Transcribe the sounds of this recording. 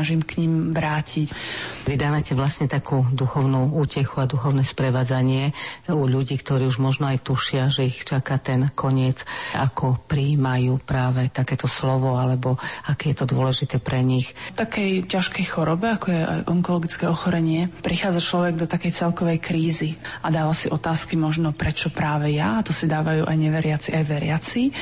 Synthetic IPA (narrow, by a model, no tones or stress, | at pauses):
aʒimkɲimʋɾaːcʰicʋid̪aːʋacɛʋlasɲɛt̪akuːd̪uxɔʊnuːuːcɛxuad̪uxɔʊnɛːspɾɛʋaːd͡zaɲɪɛuʎuɟiːkt̪ɔɾiːuʒmɔʒnɔajt̪uʃɪaʒɛixt͡ʃakat̪ɛnkʰɔɲɪɛt͡sakʰɔpɾiːmajuːpɾaːʋɛt̪akɛːt̪ɔslɔʋɔalɛbɔakɛːjɛt̪ɔd̪ʊɔlɛʒit̪ɛːpɾɛɲixt̪akɛjcaʃkɛjxɔɾɔbɛakɔjɛʔa̰jʔɔŋkɔlɔɡit͡skɛɔxɔɾɛɲɪɛpɾixaːd͡zat͡ʃlɔʋɛɡ̚d̪ɔt̪akɛjt͡sɛlkɔʋɛjkɾiːziad̪aːʋasiʔɔt̪aːskimɔʒnɔpɾɛt͡ʃɔpɾaːʋɛjaːt̪ɔsid̪aːʋajuːʔajɲɛʋɛɾɪat͡siajʋɛɾɪat͡si